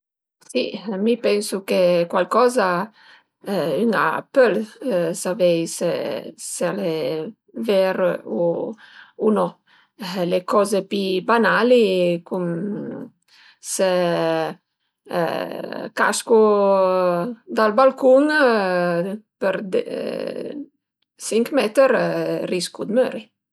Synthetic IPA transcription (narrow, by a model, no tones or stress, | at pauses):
simipɛnsukekwalkɔza | yŋa̰pəlsavɛjsḛseale | veɾu | unɔ | lekɔzepibanalikum | se | ka̰sku | d̪albalkuŋ | pəɾd̪̰ | siŋkmɛt̪əɾriskud̪mø̰ɾi